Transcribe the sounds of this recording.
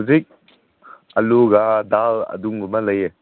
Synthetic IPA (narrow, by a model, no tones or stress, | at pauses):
zik̚ | ɐluɡadalɐ̰duŋɡumaləje